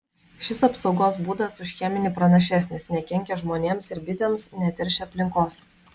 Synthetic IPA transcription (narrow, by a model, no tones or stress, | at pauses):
ʃʲɪsɐpsɒʊɡoːsbuːd̪ɐsʊʃʲxʲɛmʲɪnʲiːpɾɐnɐʃʲæsʲnʲɪsnʲɛkʲɛŋʲkʲɛʒmoːnʲeːmsɪɾbʲɪt̪ʲeːmsnʲɛt̪ʲɪɾʲʃʲɪɐpʲlʲɪŋkoːs